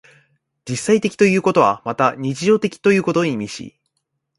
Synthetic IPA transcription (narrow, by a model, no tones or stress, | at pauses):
d͡ʑisːait̪e̞kʲi̥t̪o̞jɯ̟ːko̞t̪o̞βamat̪aɲ̟it͡ɕiʑo̞ːt̪e̞kʲi̥t̪o̞jɯ̟ːko̞t̪o̞ɲimʲiɕḭ